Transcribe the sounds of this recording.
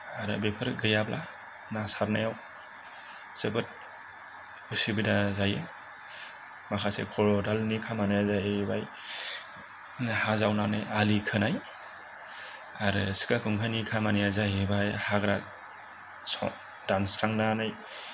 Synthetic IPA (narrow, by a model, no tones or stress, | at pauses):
aɾɯ̰bepʰɯɾɡɯjabla | nasaɾnajaw | sebɯt̚ | usibidazaje | makʰasḛkʰɔɾɔdalnikʰamanajazajebaj | hazawnanɯ̰jalikʰɯnaj | aɾɯsi̥kakʰɯŋkʰanikʰamanijazajbajhaɡɾa | sɔ̰ | dansɾaŋnanɯj